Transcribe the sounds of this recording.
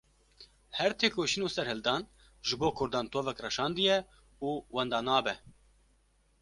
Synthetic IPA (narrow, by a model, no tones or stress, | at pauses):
hɛɾt̪ʰeːkoːʃinoːsɛɾhɨld̪ɑːn | ʒɨboːkʰʊɾd̪ɑːnt̪ʰoːvɛkrɛʃɑːnd̪ɨjɛ | uːwɛnd̪ɑːnɑːbɛ